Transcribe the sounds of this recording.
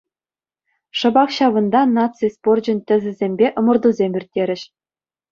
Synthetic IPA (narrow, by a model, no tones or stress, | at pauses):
ʂɤ̆bɑkɕɑʋɤ̆nd̪ɑnɑt͡sɨspord͡ʑɘ̆nʲtʲɘ̆zʲɘ̆zʲemʲbʲeʔɤ̆mɤ̆rd̪uzʲemʲirʲtʲːeɾʲɘ̆ɕ